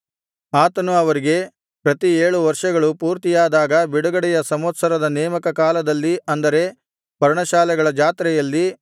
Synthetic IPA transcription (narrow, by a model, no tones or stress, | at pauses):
aːt̪ɐnuɐʋɐɾiɡe̞ | pɾɐt̪ieːɭuʋɐɾʂɐɡɐɭupuːɾt̪ijaːd̪aːɡɐbiɽuɡɐɽɛjɐsɐmɐt̪sɐɾɐd̪ɐnɛːmɐkɐkaːlɐd̪ɐlːiʔɐnd̪ɐɾe̞ | pɐɾɳɐʃaːlɛɡɐɭɐd͡ʒaːt̪ɾɛjɐlːi